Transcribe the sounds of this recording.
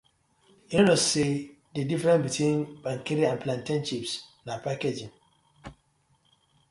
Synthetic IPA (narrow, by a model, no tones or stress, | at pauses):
inose | dedifɾɛ̃nbitʰwĩnb̥ãŋkeɾiãnpʰlãntĩnʃipsnapʰaked͡ʒĩn